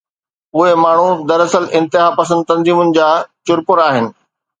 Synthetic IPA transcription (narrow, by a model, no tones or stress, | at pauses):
ʊɦemaːɳ̤ud̪ɐɾɐsəlɪ̃nt̪ɪɦaːpɐsə̃nd̪̚t̪ɐ̃nziːmʊnɪ̆d͡ʑaːt͡ɕʊɾpʊɾaːɦɪnɪ̆